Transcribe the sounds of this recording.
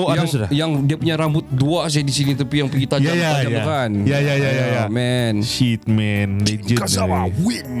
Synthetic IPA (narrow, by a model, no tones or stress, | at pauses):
ajasudajaŋdiapuɲaɾambʊt̪̚duas̬edisinit̪̬əpijaŋpiɡit̪ajd͡ʒaat̪ad͡ʒajmakanjajajajajamɛnʃit̪̚mɛnded͡ʒəkasaawin